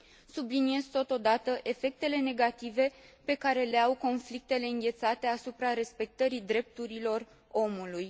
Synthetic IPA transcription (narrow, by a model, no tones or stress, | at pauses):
sublinie̞zt̪o̞t̪o̞d̪at̪əʔe̞fe̞k̚t̪e̞le̞ne̞ɡat̪ive̞pe̞kaɾe̞le̞awko̞nflik̚t̪e̞le̞ɨnɡʲe̞t̪sat̪e̞asupɾaɾe̞spe̞k̚t̪əɾid̪ɾe̞p̚t̪uɾilo̞r | o̞muluj